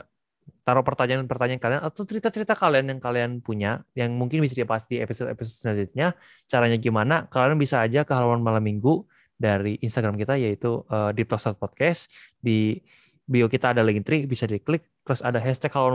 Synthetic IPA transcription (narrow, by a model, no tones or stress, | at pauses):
t̪aɾɔpərt̪aɲaanpərt̪aɲaankalianat̪awt͡ʃəɾit̪at͡ʃəɾit̪akalianjaŋkalianpuɲajaŋmuŋkɪnbis̬adipaast̪iepisot̪episot̪̚snad͡ʒit̪̚ɲa | t͡ʃaɾaɲaɡimanakalianbisaːd͡ʒakəɦalawanmalamːiŋɡu | daɾiʔinst̪aɡɾamkit̪ajait̪uədip̚t̪ɔsɔt̪̚pɔt̪̚kɛsdi | biokit̪aːdaliŋt̪ɾibisadiklɪk̚t̪əɾʊsadaɦɛst̪ɛkhalawa